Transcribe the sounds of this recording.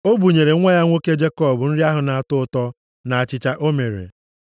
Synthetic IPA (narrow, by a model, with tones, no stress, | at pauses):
o˦bu˨ɲe˨ɾe˨˦ŋʷe˦ja˦ŋʷo˦ke˦d͡ʒe˦kɔ˦˨bʊ˨n̩˦ɾi˦a˦ɦʊ˨na˨a˨tʊ˦tɔ˦ | na˨a˨t͡ʃɪ˨t͡ʃa˦ʔo˦me˨ɾḛ˨